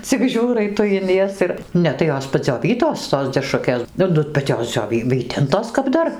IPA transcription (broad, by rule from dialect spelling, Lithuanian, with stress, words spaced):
t͡sʲɪk ˈʒʲuːrɐɪ ˈtʊ ɪn ˈjɛs ɪr ˈnʲɛ tɐɪ ˈjoːs pɐd͡zʲoːˈʋʲiːtoːs toːs dʲɛˈʃrʊkʲeːs ˈnʊ ˈnʊ bʲɛt ˈjoːs d͡zʲoːˈʋʲiː ˈʋʲiːtʲɪntoːs kɐp ˈdɐr